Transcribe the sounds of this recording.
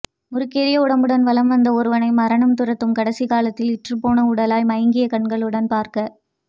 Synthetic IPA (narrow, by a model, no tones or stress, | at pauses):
mʊɾɯkːeːɾɪjɐʊɽɐmbɯɽɐnʋɐlɐmʋɐnd̪ɐɔɾɯʋɐnɐɪmɐɾɐɳɐmt̪ɯɾɐt̪ːɯmkɐɽɐsikaːlɐt̪ːɪlɪʈrɯpoːnɐʊɽɐlaːjmɐjɐŋɡɪjɐkɐɳɡɐɭɯɽɐnpaːɾkɐ